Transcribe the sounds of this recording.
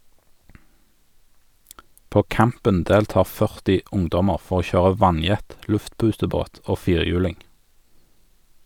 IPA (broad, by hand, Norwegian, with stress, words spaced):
ˈpoː ˈkæmpən ˈdeːlˌtɑːʁ ˈfœʁtɪ ˈʊŋdɔməʁ ˈfɔʁ ˈoː ˈçøːʁə ˈʋɑnˌjɛt ˈlʉftˌpʉːtəˌboːt ˈoː ˈfiːʁˌjʉːlɪŋ